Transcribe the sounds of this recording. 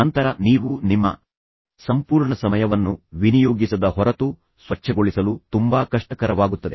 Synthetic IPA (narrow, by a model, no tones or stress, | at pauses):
ɐnt̪ɐɾɐniːʋunimːɐ̰ | sɐmpuːɾɳɐsɐmɐjɐʋɐnːuʋinijoːɡisɐd̪ɐɦɔɾɐt̪u | sʋɐt͡ʃːɐɡoɭisɐlut̪umbaːkɐʂʈɐkɐɾɐʋaːɡut̪ːɐd̪e